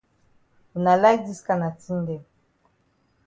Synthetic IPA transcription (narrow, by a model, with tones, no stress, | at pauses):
u˨na˨la˦jdi˦ska˦na˨ti˦n˦dɛ˨